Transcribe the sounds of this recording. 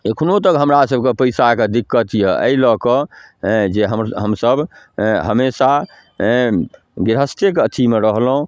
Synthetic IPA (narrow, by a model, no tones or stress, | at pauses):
ekʰnot̪əkɦəmɾasəbʱkepəjsaked̪ikːət̪jɛə̰ilɔkə | d͡ʒeɦəɦəmsəbʱ | ɦəmesa | ɡiɾɦəst̪ʰekət̪ʰimeɾəɦlɦũ